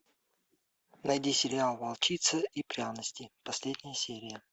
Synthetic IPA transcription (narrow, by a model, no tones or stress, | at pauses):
nɐjdʲisʲɪɾʲɪalˠvɐlˠt͡ɕit̪səipɾʲanəsʲtʲɪpɐsʲlʲedʲnʲɪjəsʲeɾʲɪjə